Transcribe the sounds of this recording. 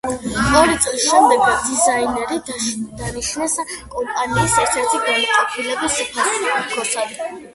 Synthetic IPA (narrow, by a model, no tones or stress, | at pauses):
ɔɾit̪sʼlisʃɛmd̪ɛɡad̪izainɛɾid̪̥aniʃnɛskʼɔmpʼaniisɛɾt̪ʰɛɾt̪ʰiɡanaqʼɔpʰilɛbispʰasukʰɔsad̪i